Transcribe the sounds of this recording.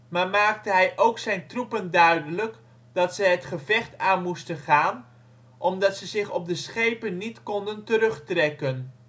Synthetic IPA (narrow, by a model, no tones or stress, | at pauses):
maːɹmaːk̚təɦɛjʔowksɛjntrupəndœɥdələk | dɑtsəjɦətχəvɛχtaːnmustənχaːn | ʔɔmdɑtsəzɪχɔp̚dəsχejpənːitkɔndəntəɾɵχtrɛkən